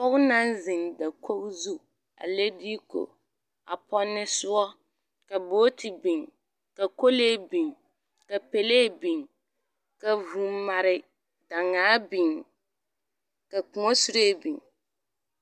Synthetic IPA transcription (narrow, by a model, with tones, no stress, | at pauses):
pɔ˦kʊ˦na˦nzɪ˨nda˨ko˦kzu˦ | a̰˨le˦di˦ko̰˨ | a̰˨pɔ˦nːɪ˦sʊ˦ɔ˦ | ka˨boː˦tʰɪ˨bi˨ŋ | ka˨ko˦le˦bi˨ŋ | ka˨pe˨leː˦˨bi˨ŋ | ka˨vu˨ma˨ɾɪ˨ | da˨ŋaː˨˦bi˨ŋ | ka˨ku˨o˦su˦ɾe˦bi˨ŋ